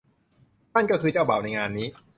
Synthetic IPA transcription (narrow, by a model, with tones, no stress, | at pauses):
na˥˩nkɔː˥˩kʰɯː˧t͡ɕa˥˩wbaː˨˩wna˧jŋaː˧nːiː˦˥